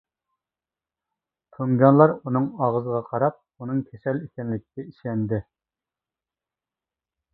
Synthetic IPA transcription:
t̪ʰoŋɡʲɑnlˠɑɾunɨŋɑʁəzəʁɑqʰɑɾɑp̚ | unɨŋkʲʰɛsɛlekʲɛnlɪk̚ʲʰikʲɛiʃɛnd̪ɪ

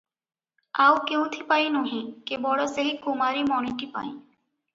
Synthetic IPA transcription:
aːukeũt̪ʰipaːĩnõɦĩkebɔːɽəseɦikumaːɾimɔːniʈipa̰ːĩː

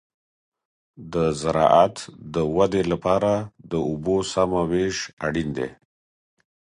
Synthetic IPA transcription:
d̪əzaɾɑ̰ʔat̪d̪əwad̪elapɑɾad̪əʊbosamaweʃaɽind̪ḛ

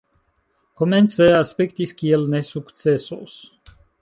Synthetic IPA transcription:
komɛnsɛaspɛkt̪iskʲielnesukt̪sɛsos

